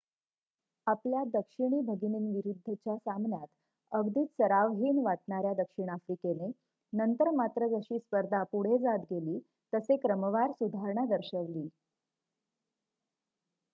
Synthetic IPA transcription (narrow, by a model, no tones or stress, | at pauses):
apljad̪əkʂiɳ̃iːbʱəɡiniːnʋiɾud̪ʱːət͡ɕjasamnjat̪ | əɡd̪iːt̪səɾaʋɦiːnʋaʈ̚ɳaɾjad̪əkʂiɳ̃afɾikene | nənt̪əɾmat̪ɾəd͡zəɕiːspəɾd̪ʱapuɽ̤ed͡zat̪ɡeliː | t̪əsekɾəməʋaɾsud̪ʱaɾɳad̪əɾɕəʋliː